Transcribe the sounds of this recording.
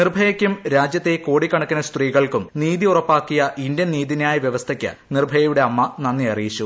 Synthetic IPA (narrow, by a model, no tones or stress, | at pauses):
nirbʱɐjɐkʲːumɾaːd͡ʑjɐt̪ːe̞ko̞ːɽikːɐɳɐkːinɐst̪riːɣɐɭkumniːðiurɐpːaːkːijɐʔindjɐnniːðinaːjɐʋjeʋɐst̪ʰɐkʲːɐ̰nirbʱɐjɐjuɽe̞ɐmːɐnɐnːiɐrijit͡ɕːu